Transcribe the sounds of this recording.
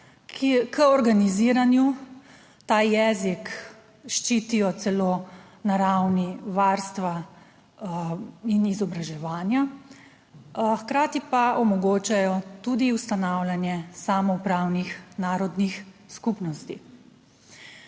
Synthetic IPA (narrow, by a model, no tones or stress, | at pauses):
kəɔɾɡaniziːɾanju | t̪aːjɛːzik | ʃt͡ʃit̪ijɔt̪sɛloː | naɾawniʋaɾst̪ʋa | inizɔbɾaʒɛʋaːnja | xkɾaːt̪ipaʔɔmɔɡoːt͡ʃajɔt̪ud̪iwst̪anawlʲanjɛsamɔupɾaːwnixnaːɾɔd̪nixskupnɔst̪i